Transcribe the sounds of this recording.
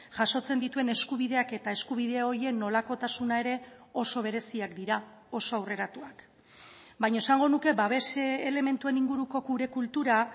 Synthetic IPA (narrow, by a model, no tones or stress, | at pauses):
ʝaso̞t͡se̞nd̪it̪ue̞ne̞skuβ̞iðe̞ake̞t̪ae̞skuβ̞ið̞e̞o̞je̞kno̞lako̞t̪asunae̞ɾe̞o̞so̞β̞e̞ɾe̞siakd̪iɾa | o̞so̞awre̞ɾat̪uak | bajɲoe̞saŋɡo̞nuke̞baβe̞seːle̞me̞nt̪ue̞niŋɡuɾuko̞kuɾe̞kult̪uɾa